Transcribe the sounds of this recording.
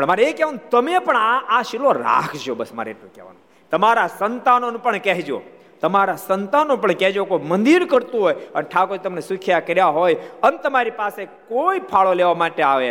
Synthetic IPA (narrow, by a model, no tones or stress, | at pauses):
pəɳmaɾeekɛʋanũt̪əmepəɳaaʃiloɾa̰kʰd͡ʒobəsma̰ɾeːʈlũkɛ̰ʋa̰nũ | t̪əmaɾasənt̪anonũpəɳkɛɦd͡ʒo̰ | t̪əmaɾasənt̪anũpəɳkɛd͡ʒokojmənd̪iɾkəɾt̪ũɦojənʈʰakod͡ʒt̪əmnesʊkʰjakəɾjaɦojənet̪əmaɾipasekoipʰaɭoleʋamaʈeaʋe